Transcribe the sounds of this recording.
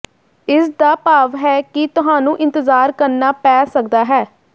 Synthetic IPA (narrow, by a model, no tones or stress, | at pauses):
ɪsd̪aːpaːʋɦɛːkɪt̪ʊɦãːnũːʔɪ̃nt̪əzaːɾkəɾnaːpɛːsək̚d̪aːɦɛː